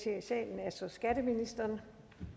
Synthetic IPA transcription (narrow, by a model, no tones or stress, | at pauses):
t͡sʰe̝̰ːɐsɛ̰ːln̩æsɒ̽sɡ̥æd̥əminisd̥ɐːn